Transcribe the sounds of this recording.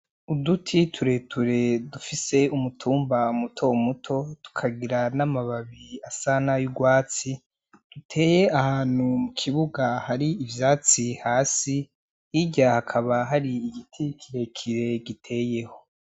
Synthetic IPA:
udutʰitʰuɾe̞tʰuɾe̞dufise̞umutʰuːmbaumutʰo̞mutʰo̞tu̥kʰaɡiɾanamaβaβiasanajuɡwaːt͡si | d̥utʰe̞ːje̞ahaːn̥humukʰiβuɡahaɾiːvjaːt͡sihaːsi | iɟahakʰaβaɦaɾiːɡitʰikʰiɾe̞kʰiɾe̞ɡitʰe̞ːje̞ho̞

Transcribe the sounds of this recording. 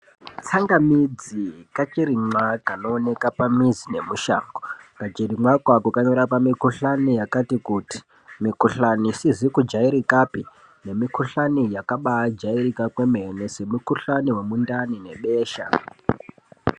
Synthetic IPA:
t͡saŋɡamid͡zikat͡ʃiɾimwakano̞ːne̞kapamizine̞muʃa̰ːŋɡokad͡ʒeriŋwakwakukaɲo̞ɾapamikuɬanijakatikuti̥ | mikuɬanisizikud͡ʒaiɾikapi | ne̞mikuɬanijakaɓad͡ʒairikakwemenese̞mukuɬaniwe̞mundanine̞ɓeːʃa̰

